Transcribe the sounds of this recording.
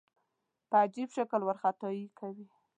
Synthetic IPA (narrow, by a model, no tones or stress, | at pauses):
pəad͡ʒibʃakəlwaɾxat̪ɑjikʰawi